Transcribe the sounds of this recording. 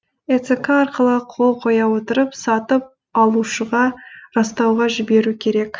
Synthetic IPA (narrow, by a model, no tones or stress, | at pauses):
et̪sekaɑɾqəlˠəqʰo̞lˠqʰo̞jɑwo̞t̪əɾəpsɑt̪əp̚ | ɑlˠuʃəʁɑɾɑst̪ɑwʁɑʒɪbe̞ɾukʲʰe̞ɾe̞k